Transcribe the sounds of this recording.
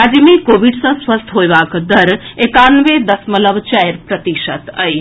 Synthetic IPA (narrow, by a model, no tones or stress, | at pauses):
ad͡ʒmikoːʋiɖsɐ̃sʋəst̪ʰɦoːjʋaːkd̪ɐɾekanʋed̪ɐsmələʋt͡ʃajɾpɾət̪iʃət̪ə̰j